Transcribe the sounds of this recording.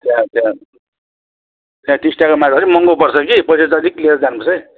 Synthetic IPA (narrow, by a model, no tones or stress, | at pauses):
t̪jãt̪jã | t̪jãʈisʈakomaɾʌɾimʌŋɡopʌrt͡sʰʌkipʌjsʌt͡sʌd̪iklieɾʌd͡zanpʌsʰʌj